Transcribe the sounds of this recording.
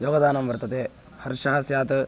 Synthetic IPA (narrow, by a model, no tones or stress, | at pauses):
joːɡɐd̪aːnɐmʋɐɾt̪ɐt̪e | hɐɾʃɐɦɐsjaːt̪